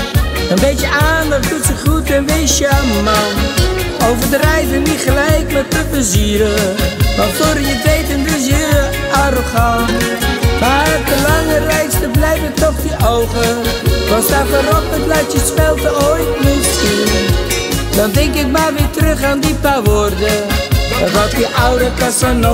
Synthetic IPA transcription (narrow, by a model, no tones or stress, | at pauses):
ənbejtjəaːndəχdutsəχutɛnbejsjaman | owvəɹdrɛjvənitχəlɛjkmɛt̚dəpəziəɾəʋɑtfoːɾəətʋejtəndɪs̬jə | arχan | madəlɑŋərɛjstəblɛjvətɔχdiʔowχəʋɑnstavaɾɔpət̚blɛjftjəspɛlˠtəojtmɪtsin | dɑndɛŋkɪk̚maːʋɪːtərɵχaːndipaːʋoːrdə | ətʋɔtdiʔawdəkasan